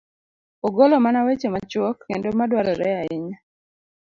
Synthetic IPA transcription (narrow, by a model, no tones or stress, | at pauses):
ɔɡɔlɔmanawet͡ʃemat͡ʃwɔkːendomadwaɾɔɾɛaɪɲa